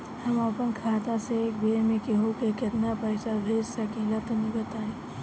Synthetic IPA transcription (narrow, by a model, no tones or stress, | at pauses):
hɐmaːpənkʰaːt̪aseeːk̚beːmẽkeɦokekɪt̪napəɪsabʱeːd͡ʒsakiːlət̪onɪɡət̪aɦɛ̃